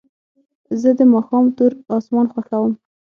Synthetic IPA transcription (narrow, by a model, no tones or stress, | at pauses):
zəd̪əmɑxɑmt̪uɾɑsmɑnxwaxawəm